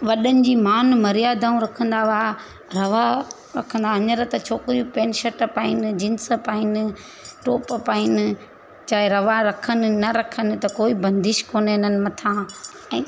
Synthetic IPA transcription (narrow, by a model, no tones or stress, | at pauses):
ʋɐɗənɪ̆d͡ʑiːmaːnmɐɾijaːd̪ʱaːũɾɐkʰə̃nd̪aʋa | ɾɐʋa | ɾɐkʰə̃nd̪aɐɲəɾət̪ɐt͡ɕʰoːkɪɾijupẽːnʃɐʈpaːɪnɪd͡ʑɪ̃nspaːɪnɪ | ʈoːppaːɪnɪ̆ | t͡ɕaːɦeɾɐʋaɾɐkʰənɪ̆nɐɾɐkʰənɪ̆t̪ɐkoːibɐ̃nd̪ɪʃkoːnenənɪ̆mɐt̪ʰã | ɛ̃ː